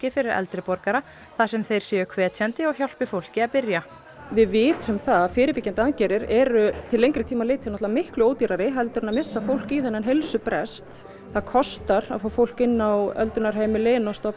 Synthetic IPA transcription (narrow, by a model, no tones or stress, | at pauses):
cɪfɪɾɪɾɛ̰lt̪ɾɪpɔɾkaɾa | θasɛmθejɾ̥sjɛʏkʰvɛːt̪ʰɛnt̪ɪɔɣçawl̥pɪfowl̥cɪaðpɪɾja | vɪðvɪːt̪ʏmθaðafɪːɾɪpɪcːant̪ɪaðcɛːɾɪɾɛɾʏt̪ʰɪlːejŋkɾɪt̪ʰiːmaleːt̪ʰɪanɔt̪lvamɪhklʏoːwt̪iɾaɾɪɦɛlt̪ʏɾɛnamɪsːafowl̥kiθɛnːanɦelsʏpɾɛst̪ | θaðkʰɔst̪aɾa̰ðfoːfowl̥kɪnːawœ̰lt̪ʏnaɾ̥ɦeːjmɪleːnɔst̪ɔp